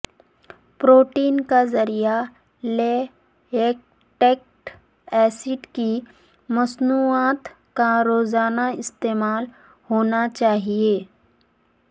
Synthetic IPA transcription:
pɾoːʈiːnkazɐɾija | leː | eːk̚ | ʈeːk̚ʈ | ɛːsɪɖki | mɐsnuːaːt̪ | kaɾoːzaːnaɪst̪eːmaːl | hoːnat͡ʃaːɦieː

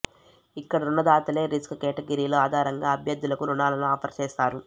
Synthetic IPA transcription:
ikːɐɽɐunːɐd̪aːt̪ɐle̞ːɾiskkɛːʈɐɡɐɾiːlo̞ːaːd̪ʱaːɾɐŋɡaːɐbʱjɐd̪ːulɐkuɾuɳaːlɐnuaːpʰɐɾt͡ʃeːst̪aːɾu

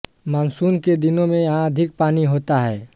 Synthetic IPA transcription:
maːnsuːnked̪ɪnõmẽãɐd̪ʱɪk̚paːniɦoːt̪aɦɛː

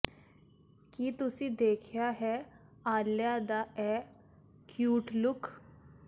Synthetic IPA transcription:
kiːt̪usiːd̪eːkʰjaɦɛ | aːljad̪aʔɛ | kjuːʈlʊk

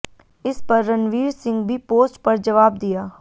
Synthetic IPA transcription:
ɪspəɾːənʋiːɾsɪ̃ŋɡbʱiːpoːsʈpɐɾd͡ʒəʋaːb̚d̪ɪjaː

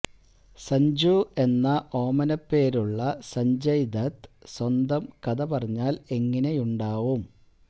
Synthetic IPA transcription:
sɐɲd͡ʑue̞nːɐʔo̞ːmɐnɐpːe̞ːɾuɭːɐsɐɲd͡ʑɐjd̪ɐt̪swɐnd̪ɐmkɐd̪ɐpɐrɐɲːaːle̞ŋːɐne̞juɳɖaːʋum

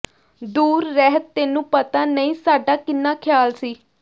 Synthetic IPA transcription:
d̪uːɾːɛɦət̪t̪eːnũːpət̪aːnəĩːsaːɖaːkɪnːaːkʰɪjaːlsiː

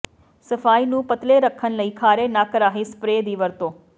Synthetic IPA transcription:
səfaːiːnũːpət̪leɾəkʰːənləiːkʰaːɾenaːkəɾaːɦispɾeːd̪iːʋəɾt̪oː

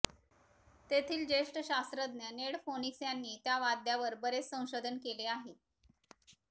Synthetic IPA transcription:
t̪et̪ʰiːld͡ʑeʂʈəɕast̪ɾəd̪njəneɽfoniksjanːiːt̪jaʋad̪ʱjaʋəɾbəɾet͡ssə̃w̃ɕod̪ʱənkeleaɦe

